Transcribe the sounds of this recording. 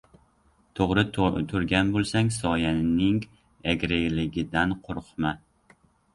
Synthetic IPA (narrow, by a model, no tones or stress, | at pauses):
t̪ʰoʁɾɪt̪ʰʊɾɡʲanbolˠsaŋsɒjanɪŋ | aɡʲɾeɡlɪɡʲɪd̪anqʰʊɾqma